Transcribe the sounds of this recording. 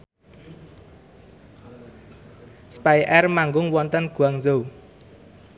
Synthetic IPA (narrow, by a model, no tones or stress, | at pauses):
spajʔɛrmaŋɡʊŋwɔnt̪ənɡ̥ṳaŋzo